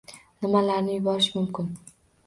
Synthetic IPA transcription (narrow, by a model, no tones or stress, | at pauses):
nɪmalaɾnɪjʊbɒɾɪʃmʊmkʰʲɪn